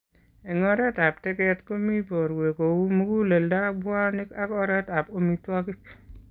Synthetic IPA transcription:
ɛ˨ŋɔ˦ɾɛ˦ta˨p̚tɛ˦kɛtko˦mi˦po˨ɾwe˨ko˨wu˦mu˦ku˦le˨lda˦bwa˦nɪ˦ka˦kɔ˦ɾɛ˦ta˨p̚o˦mitwa˦kɪ˦k̚

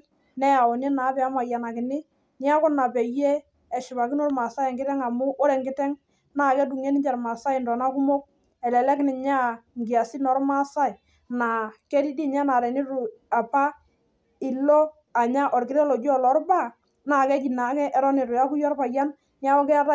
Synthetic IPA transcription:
nɛ˦ja˨wɔ˨n˦ɛ˦na˨˦pɛ˨˦a˦ma˨ja˨na˨kɪ˨nɪ˦ | ni˦a˦kɔ˦na˨pɛ˨je˦ | ɛ˨ʃɪ˨pa˨kɪ˦nɔ˦ɾma˨sa˦ɛ˨ŋɡɪ˦tɛ˦ŋa˨mʊ˦ʔɔ˦ɾɛ˨ŋɡɪ˦tɛ˦ŋ | na˦˨kɛ˦d̬u˨ŋe˦nɪ˦ɲt͡ʃɛ˨ɾma˨sa˦ɪ˨ndɔ˨na˦kʊ˦mo˦k̚ | ɛ˨lɛ˨lɛ˦kɪ˦nɪ˨ɲa˦ŋɡɪ˨a˨si˦nɔ˨˦ɾma˦sa˦ɪ˨ | na˨kɛ˦di˦di˦ɲa˦na˨ɾɛ˨ni˦ɾu˨a˨pa˦ | ɪ˨lɔ˦ | a˨ɲa˦ʔɔ˨ɾkɪ˨ɾɛ˦lɔ˨d͡ʒɔ˨lɔ˨˦ɾba˦˨ | na˨kɛ˦ki˨na˨˦kɛ˦ʔɛ˦ɾɔ˦nɪ˨ɾʊ˨a˦kʊ˦jɔ˦rpa˨ja˦n | ni˦a˦ɔ˦kɛ˦a˦ta˦

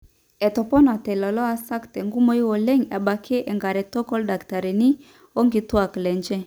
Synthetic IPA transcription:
ɛ˨tɔ˨pɔ˦na˨tɛ˨lɔ˨lɔ˦a˦sa˦ktɛ˨ŋɡu˦mo˦i˦wo˨lɛ˦ŋa˨ba˨kʰe˦ʔɛ˨ŋɡa˨ɾɛ˨tɔ˦kɔ˦lda˨kta˨ɾi˨ni˦ | o˦ŋɡi˨twa˨klɛ˨ɲd͡ʒɛ˦

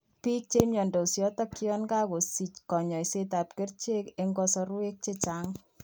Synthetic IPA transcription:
pi˦k̚t͡ʃe˦mjɔ˨ndo˨sjɔ˦tɔ˦ki˦ɔ˦nka˦ko˨si˨t͡ʃkɔ˨ɲɔ˨jse˦ta˨p̚ke˦rt͡ʃe˦ke˦ŋɡɔ˦sɔ˧ɾu˦e˦k̚t͡ʃe˦t͡ʃaː˦ŋ

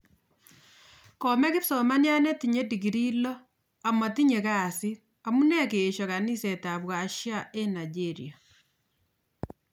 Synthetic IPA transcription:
kɔ˨mɛ˦kɪ˦psɔ˨ma˦nja˦nɛ˦tiɲe˦di˨k̬i˨ɾi˦lɔ˦ | a˨ma˨ti˦ɲe˨kaː˦˨sɪ˦ | a˨mu˦nɛ˦keː˨ʃɔ˨ka˨ni˦se˨ta˨bwa˨ʃja˦e˦na˨d͡ʒe˦ɾḭa˨

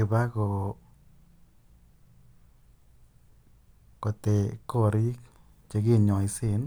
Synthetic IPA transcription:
e˧ba˦ɡo˧ | ko˧t̪e˨ko˦ɾi˦k | t͡ʃe˧ɡi˦ɲo˨jsi˧n

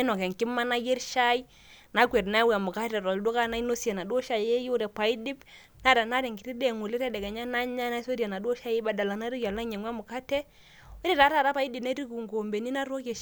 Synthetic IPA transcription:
nɔ˨kɛ˨ŋki˦ma˦na˦je˦ɾʃa˦i˦ | na˨˦kwe˨ɾna˦wa˨mʊ˨ka˦tɛ˨ɾɔ˨ldo˦ka˦na˦i˦no˦sje˨na˨do˦ʃa˨je˦ju˦ɾɛ˨pa˨i˦di˦p | na˦ɾa˨na˦ɾɛ˨ŋɡi˨ɾi˦de˨ŋu˨li˦ɾɛ˦dɛ˨kɛ˨ɲa˦na˦ɲa˦na˦so˦ɾja˨na˨do˦ʃa˦je˦ba˨da˨la˨na˦ɾi˦kja˨la˦ɲɛ˨ŋwa˦mʊ˨ka˦tɛ˦ | i˦ɾi˦˨ta˨˦ta˨ɾa˦pa˨˦i˦di˨na˦ɾi˦ku˨ŋɡo˨mbe˨ni˦na˦ɾo˦ke˨ʃ

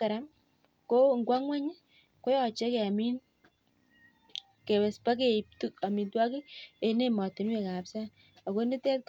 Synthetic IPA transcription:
ka˨ɾa˦m | ko˦˨ŋɡwa˦ŋwɛ˦ɲ˦ | ko˦jɔ˨t͡ʃɛ˦ke˨a˨mi˦n | ke˨wɛ˨spa˦k̬e˨i˨p̚tu˦ka˨mi˨ntwa˦kɪ˦e˨ne˦mɔ˨tɪ˨˦m˦e˨ka˨psa˦ | a˨ko˦ni˦tɛ˦t̚k

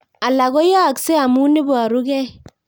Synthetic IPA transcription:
a˨la˨ɣɔ˦ja˦˨ksɛ˦a˨mu˦ne˦bɔ˨a˨ɾu˦ɡɛ˦

